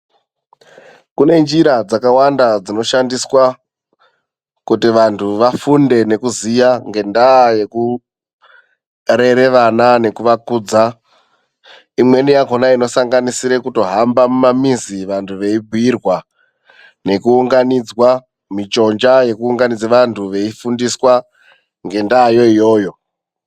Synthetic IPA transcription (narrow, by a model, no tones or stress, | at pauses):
kune̞nd͡ʒiɾad͡zakawandad͡zino̞ʃandiswa | kutiʋantʰuʋafunde̞ne̞kuzijaŋɡe̞ndaje̞ku | re̞ɾe̞ʋanane̞kuʋakuːd͡za | imwe̞nijakonaino̞saŋɡanisiɾe̞kuto̞ɦambamumamiziʋantʰuʋe̞ibʱuirwa | ne̞kuuŋɡanid͡zwa | mit͡ʃo̞nd͡ʒaje̞kuːŋɡanid͡zeʋantʰuʋe̞ifundiswa | ŋɡe̞ndaːjo̞ijo̞ːjo̞